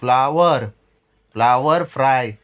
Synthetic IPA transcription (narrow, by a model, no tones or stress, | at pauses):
flaʋəɾ | flaʋəɾfɾaj